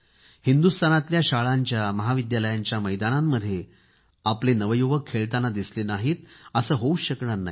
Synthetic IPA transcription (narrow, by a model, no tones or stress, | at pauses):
hind̪ust̪ʰanat̪ljaɕaɭaɲt͡ɕjaməɦaʋid̪jaləjaɲt͡ɕjaməjd̪anamːəd̪ʱːje | aplenəʋəjuʋəkʰːeɭt̪anːad̪islenaɦiːt̪əsəːɦouɕəkɳaɾna̰i